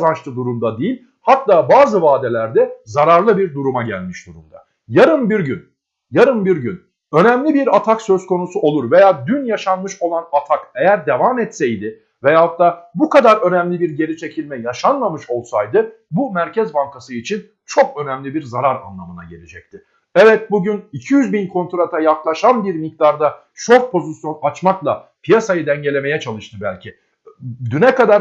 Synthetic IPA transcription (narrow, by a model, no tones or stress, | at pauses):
zant͡ʃt̪ɯd̪uɾumd̪ad̪ejilʲ | hat̪ːaːbaːzɯvaːd̪e̞lʲæɾd̪ɛzaɾaɾlˠɯbiɾd̪uɾumaɟælʲmiʃd̪̥uɾumd̪a̰ | jaɾɯmbiɾɟyn | jaɾɯmbiɾɟyn | ø̞nɛmlʲibiɾat̪ʰaksø̞zko̞nusuʔo̞lˠuɾve̞jaːd̪ynjaʃanmɯʃo̞lˠanat̪ʰakejæɾd̪evamɛt̪sɛjd̪ɪ | vejaːɦat̪ːaːbukad̪aɾø̞nɛmlʲibiɾɟe̞ɾit͡ʃʰe̞cʰilʲmɛjaʃanlˠamɯʃo̞lˠsajd̪ɯ | bumæɾcʰɛzbaŋkʰasɯit͡ʃʰin | t͡ʃʰo̞kø̞næmlʲibiɾzaɾaɾa̰nlˠamɯna̰ɟe̞̰lʲed͡ʒɛc̚t̪ʰɪ | ɛvɛt̪̚buɟynicʰijyzbinkʰo̞nt̪ɾat̪ʰajaklˠaʃanbiɾmik̚t̪aɾd̪a | ʃo̞ɾpʰo̞zisjo̞nat͡ʃmaklˠapʰijasajɯd̪ɛɲɟe̞lʲe̞me̞jɛt͡ʃʰalˠɯʃt̪ʰɯbælʲcʰɪ | d̪ynɛkad̪aɾ